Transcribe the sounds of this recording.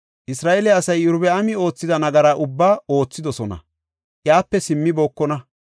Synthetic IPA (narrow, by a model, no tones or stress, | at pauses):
ʔɪsɾaːʔelɛɐsɐjʊɾbɛɐmɪo̞ːt͡sːɪd̪ɐnɐɡɐɾaːʔʊbːaːo̞ːt͡sːɪd̪ɔsɔnɐ̰ | ʔjaːpːɛsɪmːɪboːkːɔnɐ